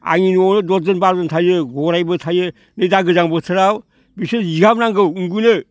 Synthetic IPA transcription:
a̰ŋinɔnɯdɔzɯnbaɾzɔntʰajɯɡɔɾajbɯtʰajɯ | nɯjdaɡɯzaŋbɯtʰɯɾaw | bisɯniɡapnaŋɡɯwuŋɡunɯ

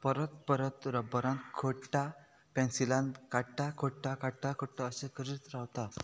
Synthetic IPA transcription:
pəɾət̪pəɾət̪ɾəbəɾãnkʰoʈa | pẽnsilãnd̪kaɽʈakʰoʈːakaʈakʰoʈːaəsekʰəɾit̪ɾawt̪a

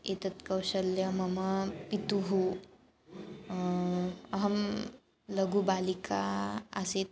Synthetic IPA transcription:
et̪ət̪kəwɕəlːjəməməpit̪uɦu | əɦəm | ləɡubalikʰa̰ːset̪̚

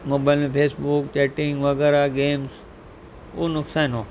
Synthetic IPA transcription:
moːbaːlmpʰeːsbʊkt͡ɕeːʈɪ̃ŋɡʋɐɣɛːɾaɡeːms | uːnʊksaːnoː

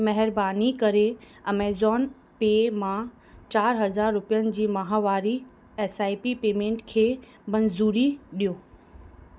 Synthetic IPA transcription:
mɐɦɛɾbaːnikɐɾe | ɐmeːzɔːn | peːmã | t͡ɕaːɾɦɐd͡ʑaːɾːʊpijənɪ̆d͡ʑiːmɐɦaʋaːɾi | eːsaːipipeːmẽːɳʈkʰeː | mɐnzuːɾiɗijoː

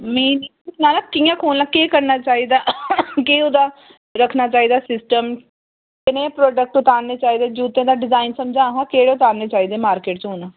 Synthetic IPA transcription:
mẽːninaːlãkijãːkʰoːlnaːkeːkəɾnaːt͡ʃaːiːd̪aːkeʊd̪aː | ɾəkʰnaːt͡ʃaːiːd̪aːsɪsʈəm | kɪnẽːpɾoːɖək̚ʈʊt̪aːɾneːt͡ʃaːiːd̪eːd͡ʒuːt̪ẽːd̪aːɖɪzaːɪnsəmd͡ʒãːɦãːkeːɽeːʊt̪aːɾneːt͡ʃaːiːd̪eːmaːɾkeːʈt͡ʃɦoːnãː

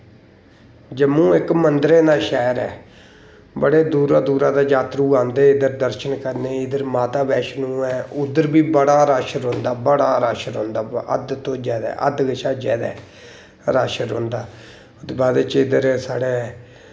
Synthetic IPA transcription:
d͡ʒəmũːɪkmənd̪ɾeːnaːʃɛːɾɛ̰ː | bəɽeːd̪uːɾaːd̪uːɾaːd̪aːd͡ʒaːt̪ɾũːãːnd̪eːɪd̪əɾd̪əɾʃənkəɾneːɪd̪əɾmaːt̪aːbɛːʃnũːɛːʊd̪əɾbiːbəɽaːɾaːʃəɾɦõːnd̪aːbəɽaːɾaːʃənɦõːnd̪aːə̰d̪t̪õːd͡ʒɛːd̪ɛ̰ːʔə̰d̪ɡəʃʰaːd͡ʒɛːd̪ɛ̰ː | ɾaːʃənɦõ̰ːnd̪aː | t̪ːbaːd̪eːt͡ʃɪd̪əɾsaːɽeː

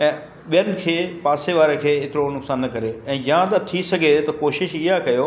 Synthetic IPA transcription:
ɛ̃ː | ɓijənɪ̆kʰeːpaːseʋaːɾekʰeːɪt̪ɪɾonʊksaːnːɐkɐɾeɛ̃ːjãt̪ɐt̪ʰisɐɡʱet̪ɐkoːʃɪʃɪɦakɐjoː

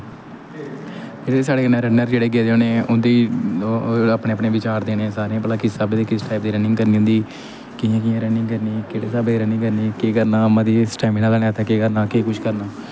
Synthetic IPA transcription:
d͡ʒeeːsaːɽeːkənãɾɛːnəɾd͡ʒeːɽeːɡ̬eːd̪eoːneːʊnd̪iː | aːpnẽːəpneːʋɪt͡ʃaːɾd̪eːnẽːsaːɾeãbəlãːkɪsaːbed̪eːkɪsʈaːɪp̚d̪iːɾɛːnɪ̃ŋɡkəɾniːɦʊ̃nd̪iː | kɪjãːkɪjãːɾɛːnɪ̃ŋɡkəɾniːkeːɽeːsaːbd̪iːɾɛːnɪ̃ŋkəɾniːkeːkəɾnaːmãːd̪iːsʈaːɪmiːnaːlaːnẽat̪ʰɛːkeːkəɾnaːkeːkʊʃʰkəɾnaː

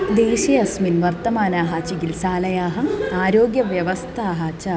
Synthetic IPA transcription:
d̪eːɕɐjɐsminʋɐrt̪ɐmaːnaːɦaːt͡ɕiɡilsaːlɐjaːɦɐaːɾoːɡjɐʋjɐʋɐst̪ʰaːɦat͡ɕɐ

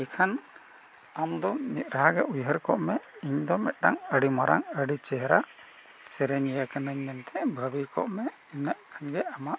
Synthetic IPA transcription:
ɛkʰan | amd̪ɔnit̪̚ˀɾaɦaɡɛʔujɦəɾkɔʔmɛiɲd̪ɔmɛt̪̚ˀɗaŋəɽimaɾa̰ŋəɽit͡ʃɛɦɾa | sɛɾɛɲjakanəɲmɛnt̪ɛbʱəbikɔ̰ʔmɛ | inaʔkʰanɡɛamaʔ

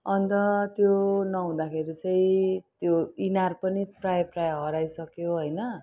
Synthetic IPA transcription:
ʌnt̪ʌt̪jonʌɦũd̪akʰeɾit͡sʌĩt̪joinarpʌniprajprajɦʌɾajsʌkjoɦʌjnʌ

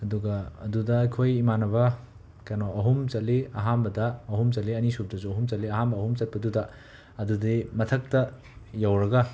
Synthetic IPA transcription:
ɐduɡɐɐdudɐːjkʰojimanɐbɐ | kɐnoɐɦumt͡ʃɐliɐɦanbɐdɐːɦumt͡ʃɐliɐnisub̚dɐsuɐɦumt͡ʃɐlːiɐɦanbɐːhumt͡ʃɐt̚pɐdudɐː | dudimɐtʰɐk̚tɐ | jawɾɐɡɐ

